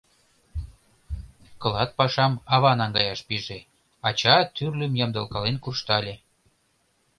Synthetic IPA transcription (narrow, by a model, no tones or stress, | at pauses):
kɤ̆lɑt̪̚pɑʃɑmɑβɑnɑŋɡɑjɑʃpiʒe | ɑt͡ɕɑt̪yrlʲømjɑmd̪ɤ̆lkɑlenkurʃt̪ɑlʲe